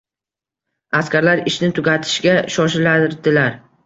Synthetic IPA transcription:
askʲaɾlaɾɪʃnɪt̪ʰʊɡʲat̪ʰɪ̥ʃɡʲaʃɒʃ̬ɪlaɾd̪ɪlaɾ

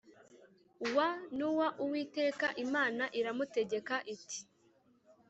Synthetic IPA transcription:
wanuwaʔuwiːte̞ːkaʔimaːnaʔiɾamute̞ɟe̞kaʔiti̥

